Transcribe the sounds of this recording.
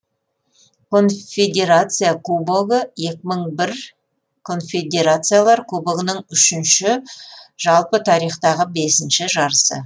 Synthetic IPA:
kʰo̞nfʲed̪ʲe̞ɾat̪sɨjakʰuboɡəje̞kʲɪməɴbɪɾ | kʰo̞nfʲe̞d̪ʲe̞ɾat̪sɨjalˠɑɾkʰɵboɡənəɴʏʃɪnʃɪʒ̥ɑlˠpət̪ʰɑɾijχt̪ɑʁəbe̞sɪnʃɪʒɑɾəsə̰

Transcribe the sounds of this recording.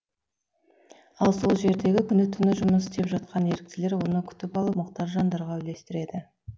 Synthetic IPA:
ɑlˠso̞lˠʒe̞ɾd̪e̞ɡʲɪkʲʰʏnɪt̪ʰʏnɪʒʊməsɪ̥st̪e̞pʒɑt̪̚qʰɑne̞ɾɪk̚t̪ɪle̞ɾwo̞nəkʲʰʏ̥t̪ɪpɑlˠəpmʊqt̪ɑʒʒɑnd̪ɑɾʁɑɪle̞st̪ɪɾe̞d̪ɪ

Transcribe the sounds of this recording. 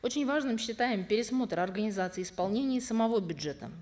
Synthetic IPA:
o̞t͡ɕɪnʲvaʐnɨmɕːɪt̪ajɪmpʲɪɾʲɪsmo̞t̪rɐrɡənʲɪzat̪sɨɪɪspɐlˠnʲenʲɪjəsəmɐvo̞bʲʊdʐɛt̪ə̰

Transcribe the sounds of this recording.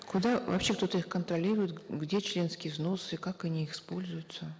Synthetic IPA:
kʊd̪avɐ̰pɕe̞kt̪o̞t̪əixkənt̪ɾɐlʲiɾʊjɪt̪ɡdʲet͡ɕlʲe̞nskʲɪjvzno̞sɨkakɐnʲiɪxspo̞lʲzʊjʊt̪sə

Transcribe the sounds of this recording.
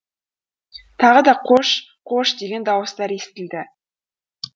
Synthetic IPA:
t̪ʰɑʁəd̪ɑqʰoʃ | qʰo̞ʃd̪e̞ɡʲe̞nd̪ɑwəst̪ɑɾe̞st̪ɪld̪ɪ

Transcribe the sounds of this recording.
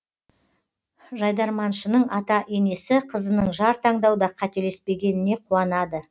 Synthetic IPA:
ʒɑjd̪ɑɾmɑnʃənəɴɑt̪ɑʔene̞sɪqʰəzənəəɴʒɑɾt̪ʰɑɴd̪ɑwd̪ɑqʰɑt̪e̞le̞spe̞ɡʲe̞nɪne̞qʰuɑnɑd̪ə

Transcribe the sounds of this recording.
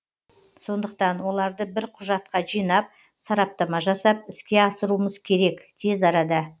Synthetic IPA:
so̞nd̪əqt̪ɑnwo̞lˠɑɾd̪əbɪɾqʰʊʒɑt̪̚qɑʒijnɑp̚ | sɑɾɑp̚t̪ɑmɑʒɑsɑp̚ɪskʲe̞ɑsəɾuəməzkʲʰe̞ɾe̞kd̪̥ʰe̞zɑɾɑd̪ɑ

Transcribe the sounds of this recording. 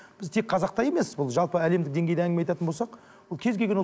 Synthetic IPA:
b̥ɪzt̪ʰe̞k̚qʰɑzɑq̚t̪ɑje̞me̞sɪzbʊlˠʒɑlˠpəæle̞md̪ɪk̚d̪e̞ŋɡʲe̞jd̪eæŋʲɡʲɪmeɑjt̪ɑt̪ənbo̞lsɑq | wolˠkʲʰe̞zɡʲelɡʲenwo

